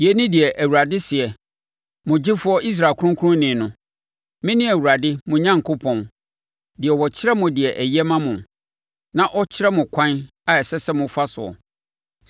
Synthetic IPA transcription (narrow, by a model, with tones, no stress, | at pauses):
jɛ˨nɪ̃˦dɪ˨ɛ˨ʔæ˨wu˨ɾa˨dɪ˦sɪ˨ɛ˨ | mʊ̃˨d͡ʑɪ˦fʊ˦ɔ˦i˦s̬ɾa˨kʰʊ˦ʊ̃˦ŋkʰʊ˦ʊ̃˦nɪ̃˨nʊ̃˨ | mɪ̃˦nɪ̃˦æ˨wu˨ɾa˨dɪ˦mʊ̃˨ɲã˦ŋkʰo˦pʰɔ̃˨n | dɪ˨ɛ˨wɔ˨t͡ɕʰɪ˦ɾɛ˦mʊ̃˨dɪ˨ɛ˨ʔɛ˨jɛ˦mã˦mʊ̃˨ | nã˦ʔɔ˦t͡ɕʰɪ˦ɾɛ˦mʊ̃˨kʷʰã˦n | a˨ɛ˨sɛ˦sɛ˦mʊ̃˨fa˦sʊ̰˨ɔ̰˨